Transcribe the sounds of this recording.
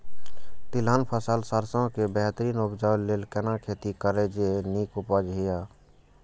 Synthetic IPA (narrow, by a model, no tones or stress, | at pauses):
t̪ilanpʰəsəlsaɾsə̃kebɛɦt̪ɾiːnubd͡ʒawleːlkɛnakʰet̪ikəɾed͡ʒeniːkupəd͡ʒɦija